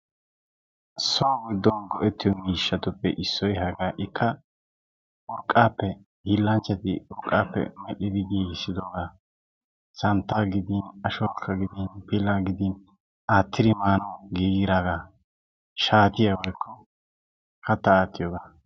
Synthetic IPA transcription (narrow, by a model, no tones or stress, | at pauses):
sɔwaɡʊd̪ːɔnɡɔʔɛt̪ːɪjɔmiːʃːɐt̪ʊpːɛ̰ʔɪsːɔjɦɐɡaːʔɪkʰːɐ | ʔɔɾkʼːaːpːɛ | hɪlːɐnt͡ʃːɐt̪ɪ̰ʔʊɾkʼːaːpːɛ̰mɛʔɪd̪ɪɡiːɡɪsːɪd̪ɔɡaː | sɐnt̪ːaːɡɪd̪ɪnɐʃɔwakʰːɐɡɪd̪ɪnpɪlːaːɡɪd̪ɪn | aːt̪ːɪɾɪmaːnɔɡiːɡɪɾaːɡaː | ʃaːt̪ɪjɐwɔjkːɔ | kɐt̪ːɐaːt̪ːɪjɔːɡa